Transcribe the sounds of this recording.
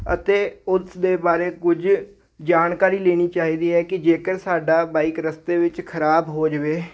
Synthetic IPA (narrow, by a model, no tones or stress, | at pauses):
ə̰t̪eːʊsd̪eːbaːɾeːkʊd͡ʒ | d͡ʒaːnkaːɾiːleːɽ̃iːt͡ʃaːɦiːd̪iːɦɛːkɪd͡ʒeːkəɾsaːɖaːbaːɪkɾəst̪eːʋɪt͡ʃkʰəɾaːbɦoːd͡ʒəʋeː